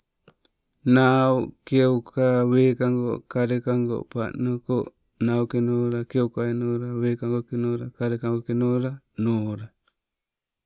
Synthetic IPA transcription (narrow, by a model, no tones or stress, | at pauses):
nawkewkawekaŋɡokaɾekaŋɡo̰pa̰noko | nawkenoɾakewkainoɾawekaŋɡokenoɾakaɾekaŋɡoʔkenoɾa | noɾa